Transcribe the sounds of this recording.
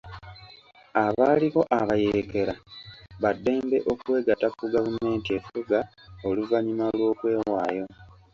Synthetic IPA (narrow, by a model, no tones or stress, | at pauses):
aβaːliɣo̞ʔaβajeke̞ɾaβadːe̞ːmbe̞ʔo̞kwe̞ːɡatakuɡavume̞ːntie̞fuɡa | oluvaɲimalwo̞ːkwe̞ːwaːjo̞